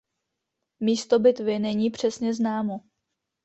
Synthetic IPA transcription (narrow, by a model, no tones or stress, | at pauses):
miːst̪o̞bɪt̪vɪnɛɲiːpr̝̥ɛsɲɛznaːmo